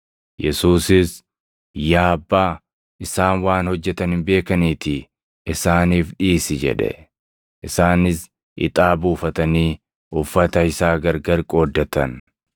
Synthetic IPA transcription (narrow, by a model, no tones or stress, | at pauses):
jɛsuːsɪs | jaːɐbːaː | ɪsaːnwaːnhɔd͡ʒːɛt̪ɐnɪmbe̞ːkɐniːt̪ɪ | ɪsaːniːfᶑiːsɪd͡ʒɛ̰ᶑɛ̰ | ʔɪsaːnɪs | ɪ̰t̪ʼaːbuːfɐt̪ɐniː | ʊfːɐt̪ɐhɪsaːɡɐɾɡɐɾkʼo̞ːd̪ːɐt̪ɐn